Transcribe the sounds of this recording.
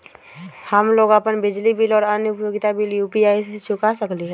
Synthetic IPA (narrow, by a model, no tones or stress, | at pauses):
həmloːɡəpənbɪd͡ʒlibiːlɔːɾanjʊpjoːɡɪt̪abiːljuːpiaːiset͡ʃʰʊkasəkliɦɛː